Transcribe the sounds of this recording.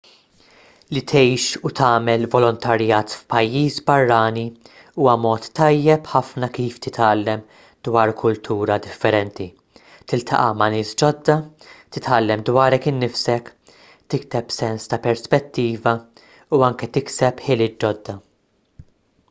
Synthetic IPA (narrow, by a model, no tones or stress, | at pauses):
lit̪ʰɛjʃut̪ɐːmɛlvɔlɔnt̪ʰɐɾjɐːt̪fpɐjːiːsbɐrːɐːni | uːwɐmɔːt̪ːɐjːɛpħɐfnɐkiːft̪ɪt̪ɐːlːɛm | d̪wɐːɾkʰʊlt̪ʰuːɾɐd̪ɪfːɛɾɛnt̪i | t̪ɪlt̪ʰɐ̰ʔɐmɐnɪːsd͡ʒɔd̪ːɐ | t̪ɪt̪ɐːlːɛmd̪wɐːɾɛkɪnːɪfsɛk | t̪ɪkt̪ɛpsɛnst̪ɐpɛɾspɛt̪ːiːvɐ | uɐŋkɛt̪ɪksɛpħɪlɪːt̪̚d͡ʒɔd̪ːɐ